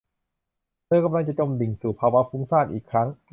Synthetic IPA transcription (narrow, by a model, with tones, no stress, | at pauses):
lɯː˧˩ka˧mla˧ŋt͡ɕa˨˩t͡ɕo˧mdi˨˩ŋsuː˨˩pʰaː˧wa˦˥fuː˦˥ŋsaː˥˩nʔḭː˨˩kʰɾa˦˥ŋ